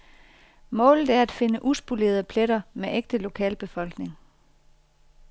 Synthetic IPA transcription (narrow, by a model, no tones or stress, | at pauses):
mɔ̰̽ːlð̩ˠæɐæd̥fe̝nəʔusb̥ule̝̰ːɐð̞̩ˠəpʰleɾɐmeʔeɡ̥̚d̥əlo̝kʰɛ̰ːlb̥e̝fɒ̽l̰ɡ̥ne̝ŋ